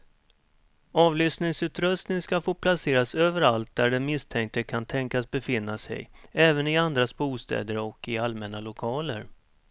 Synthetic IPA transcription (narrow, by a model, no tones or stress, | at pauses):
ɑːvlʏst̪nɪŋsʉ̟ːt̪ɾɵst̪nɪŋskafoːpʰlaseːɾasøːvəɾalt̪̚d̪æɖɛmɪst̪ʰɛŋk̚t̪əkʰant̪ʰɛŋkasbɛfɪnːasɛ̰jɛːvənɪand̪ɾasbuːst̪ɛ̰ːd̪əɾɔkːɪalmɛnalʊkʰɑːlə̰ɾ